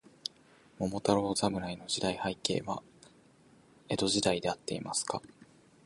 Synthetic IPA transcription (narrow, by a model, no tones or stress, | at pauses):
mo̞mo̞t̪aɾo̞ːzaɡɯ̟ɾaino̞ʑid̪aihaike̞̰ːβa | e̞d̪o̞ʑid̪aid̪e̞at̪ːe̞̰imasɨ̥ka